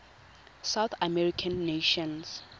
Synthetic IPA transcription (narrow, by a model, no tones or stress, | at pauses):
sawt̪ʰamɛɹikʰãnːeʃɔ̃ns